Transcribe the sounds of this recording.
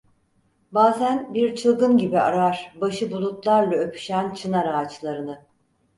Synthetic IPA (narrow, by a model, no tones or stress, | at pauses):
baːzænbiɾt͡ʃʰɯlˠɡɯnɟibia̰ɾaɾ̥baʃɯbulˠut̪lˠaɾlˠaøpʰy̥ʃænt͡ʃʰɯnaɾaːt͡ʃlˠaɾɯnɯ